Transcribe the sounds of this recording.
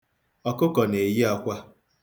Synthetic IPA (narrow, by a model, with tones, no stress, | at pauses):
ɔ˨kʊ˦kɔ˨ne˨ji˦a˦kʷa˦